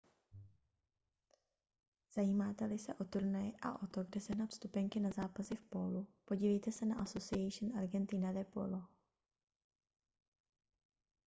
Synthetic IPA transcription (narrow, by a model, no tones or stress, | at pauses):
z̥ajiːmaːt̪ɛlɪsɛʔo̞t̪uɾnajɪʔa̰ʔo̞t̪oɡdɛsɛɦnat̪st̪upɛŋkɪnazaːpasɪfpolupo̞ɟiːvɛjt̪ɛsɛnaʔasosɪajʃnaɾɡɛnt̪inad̪ɛpo̰lo